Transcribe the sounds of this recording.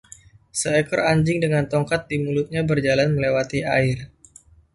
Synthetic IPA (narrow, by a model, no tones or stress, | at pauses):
səɛkɔraɲd͡ʒɪŋdəŋant̪ɔŋkat̪̚dimulʊt̪̚ɲabərd͡ʒalanməlewat̪ia̰ɪr